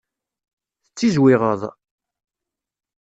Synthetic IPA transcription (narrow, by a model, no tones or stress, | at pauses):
θət͡sːizwɪʁəðˤ